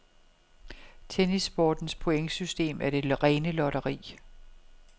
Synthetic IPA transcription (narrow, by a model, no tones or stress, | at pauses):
t͡sʰenisb̥ɒːd̥n̩spʰo̝eŋsysd̥e̝̰ːmæɐɾ̥e̝ʁɛːnəlɒɾɐʁḭː